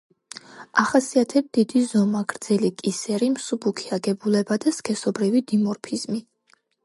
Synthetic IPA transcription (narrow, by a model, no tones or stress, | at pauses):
aχasiat̪ʰɛb̚d̪id̪izɔmaɡɾd̪zɛlikʼisɛɾimsubukʰiaɡɛbulɛbad̪askʰɛsɔbɾivid̪imɔɾpʰiz̥mi